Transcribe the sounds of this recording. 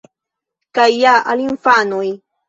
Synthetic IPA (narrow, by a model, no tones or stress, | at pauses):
kajːaʔalɪmfanʊj